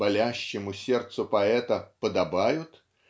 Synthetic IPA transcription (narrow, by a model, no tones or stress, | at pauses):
bɐlʲæɕːɪmʊsʲert̪sʊpɐɛt̪əpəd̪ɐbajʊt̪